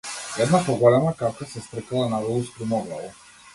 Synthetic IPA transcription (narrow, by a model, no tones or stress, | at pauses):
ɛd̪napɔɡɔlɛmakapkasɛst̪ɾɛkalˠanavɔlˠuspɾimɔɡnalˠɔ